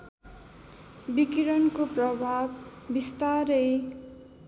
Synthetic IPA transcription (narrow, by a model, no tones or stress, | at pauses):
bikiɾʌnkoprʌbʱabːist̪aɾʌj